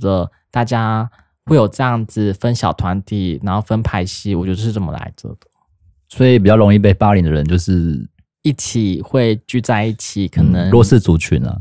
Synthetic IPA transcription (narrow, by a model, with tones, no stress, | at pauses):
d̪ə˨ | t̪a˥˩t͡ɕja˥ | we˥˩ɪjo˨˩ʈ͡ʂɤ˥˧jɑ˥˩ŋd͡zɹ̩˨˩fə˦nɕjɑ˨˩ʊt̪ʰwa˧˥nt̪i˥˩na˧˥nxo˥˩ʊfə˦npʰa˧˥ɪɕi˥wɔ˨˩t͡ɕjd̪ə˧ʂɻ̩˥˩t͡sə˨˩mə̰˦la̰˧˥ɪt͡so̰˥˩d̪̥ə̥˩ | swɔ˧˥i˨˩p̬i˨˩t͡ɕjɑ˥˩ʊɻo˧˥ŋi˥˧p̬e˥˩ɪpa˥li˨˥ŋd̪ə˨˩ɻə̰˧˦nt͡ɕjo˥˧ʊʂɻ̩˥˩ | i˥˩t͡ɕʰi˨˩xwe˥˧ɪt͡ɕy˥˧t͡sa˥˧ɪi˥˩t͡ɕʰi˨˩kʰɤ˨˩nə˧˦ŋlwɔ˥˧ʂɻ̩˥˩t͡su˧˥t͡ɕʰy̰˨˩nə̰˦